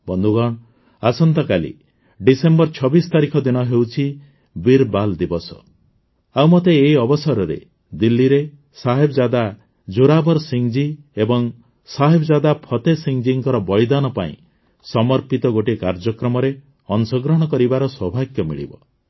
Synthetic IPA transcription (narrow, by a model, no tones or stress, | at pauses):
bɔnd̪ʱuɡɔɽ̃ | asɔnt̪ɔkalḭ | ɖisembɔɾt͡ʃʰɔbist̪aɾikʰɔd̪inɔɦewt͡ʃʰi | biɾbald̪ibɔsɔ̰ | awmot̪eːiɔbɔsaɾɔɾḛ | d̪ilːiɾe | saɦebɔd͡ʒad̪a | d͡ʒuɾabɔɾsiŋd͡ʒi | ebɔŋ | saɦebɔd͡ʒad̪apʰɔt̪esiŋd͡ʒiŋkɔɾɔbɔɭid̪anɔpa̰ḭ̃ | sɔmɔɾpit̪ɔɡoʈikaɾd͡ʒɔkɾɔmɔɾe | ɔnsɔɡɾɔɽ̃ɔkɔɾibaɾɔswɔbʱaɡjɔmḭɭḭbɔ